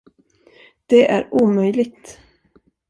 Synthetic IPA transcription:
d̪̥ɛʔæ̰ɾuːmœjlɪɡ̚t̪

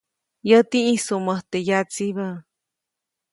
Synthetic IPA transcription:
jət̪ĩʔĩsuməht̪ejat͡siβə

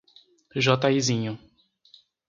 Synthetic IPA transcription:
ʒɔt̪aizĩɲʊ

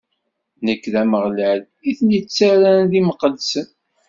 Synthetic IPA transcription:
nəkːðæməʁlæl | iθnjət͡sːæɾænðiməqəlsən

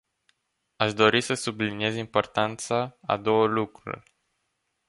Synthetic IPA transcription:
aʃd̪o̞ɾisəsublinije̞zimpo̞rt̪ant̪saa̰d̪o̞wəlukɾṵrʲ

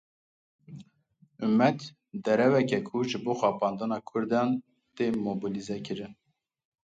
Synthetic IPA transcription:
ʔumːɛt̪ | d̪ɛɾɛwɛkɛkʰuʒɨboːxɑːpʰɑːnd̪ɨnɑːkʰʊɾd̪ɑn | t̪emobilizɛkɨɾɨn

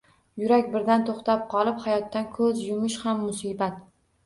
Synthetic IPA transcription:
jʊɾakʲbɪɾd̪ant̪ʰoχt̪ap̚qʰɒlˠɪphajɒt̪ːankʰɵzjʊmɪʃhamːʊsibat̪

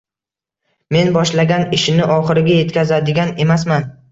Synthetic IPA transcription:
me̞nbɒʃlaɡʲanɪʃɪnɪʔɒχɨɾɪɡʲaje̞t̪kʲʰazad̪ɪɡʲane̞masman

